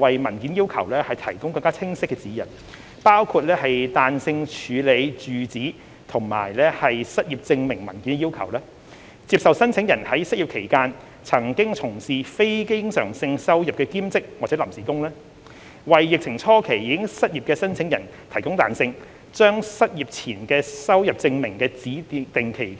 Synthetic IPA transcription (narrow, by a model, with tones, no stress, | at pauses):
wɐ˨jmɐ˨˩nki˨˥njiː˥wkʰɐ̰˨˩wlɛː˥hɐ˨jt̪ʰɐ̰˨˩jkʊ˥ŋkɐ˧ŋkaː˥t͡sʰɪ˥ŋsɪ˥kːɛː˧t͡siː˨˥jɐ̰˨˩n | paː˥wkʰuː˧t̚lɛː˥hɐ˨jt̪aː˨nsɪ˧ŋt͡ʃʰyː˨˧le˨˧jt͡ʃyː˨t͡siː˨˥ | t̪ʰʊ˨˩ŋma̰ː˨˩jlɛː˥hɐ˨jsɐ˥t̚jiː˨˩p̚t͡sɪ˧ŋmɪ˨˩ŋmɐ˨˩nki˨˥nkɛ˧i˥wkʰɐ̰˨˩wlɛː˥ | t͡siː˧p̚sɐ˨wsɐ˥nt͡sʰɪ˨˥ŋjɐ˨˩nhɐ˨˥jsɐ˥ji˨˩pkʰe˨˩jkaː˧n | t͡sʰɐ˨˩ŋkɪ˥ŋt͡sʰʊ˨˩ŋsiː˨fe˥jkɪ˥ŋsœ̰ː˨˩ŋsɪ˧ŋsɐ˥wjɐ˨p̚kɛː˧kiː˥mt͡sɪ˥k̚waː˨t̚t͡sɛː˨˥lɐ˨˩msiː˨˩kʊ˥ŋlɛː˥ | wɐ˨jːɪ˨k̚t͡sʰɪ˨˩ŋt͡sʰɔː˥kʰe˨˩jiː˨˧kɪ˥ŋsɐ˥t̚jiː˨p̚kɛː˧sɐ˥nt͡sʰɪ˨˥ŋjɐ˨˩n | t̪ʰɐ˨˩jkʊ˥ŋt̪a̰ː˨nsɪ˧ŋ | t͡ʃœː˥ŋsɐ˥t̚jiː˨˩p̚t͡sʰiː˨˩nkɛː˧sɐ˥wjɐ˨p̚t͡sɪ˧ŋmɪ˨˩ŋkɛː˧t͡siː˨˥t̪ɪ˨ŋkʰe˨˩jkː